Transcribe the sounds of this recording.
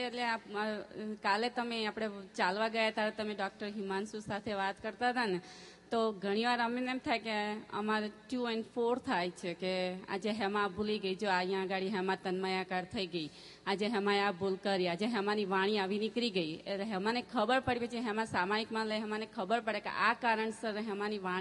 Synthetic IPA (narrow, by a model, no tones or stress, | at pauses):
eʈlea | kalet̪əmeapɽ̃et͡ʃalʋaɡəjat̪aɾet̪əmeɖɔk̚ʈəɾɦimansusat̪ʰeʋat̪kəɾt̪ad̪ane | t̪oɡʱəɽ̃iʋaɾəmenemt̪ʰajkeə̰maɾeʈuɛɳɖpfʰoɾt̪ʰajt͡ʃʰekea̰d͡ʒeɦɛmãbuliɡəid͡ʒoajãəɡaɽiɦɛmãt̪ənməjakaɾt̪ʰəiɡəi | ad͡ʒeɦɛmãjabulkəɾiad͡ʒeɦɛmãniʋaɽ̃iaʋinɪkɾiɡəiḛleɦɛmanekʰəbəɾpəɽipet͡ʃiɦɛmãsamaikmãləjɦɛmãnekʰəbəɾpəɽekḛʔakaɾəɳsəɾɦɛmãniʋã